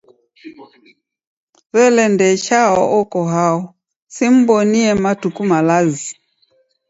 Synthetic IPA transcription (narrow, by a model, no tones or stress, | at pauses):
βɛlɛndɛt͡ʃaɔ̰ʔɔkɔɦaɔ | sim̩bɔniɛmatukumalazi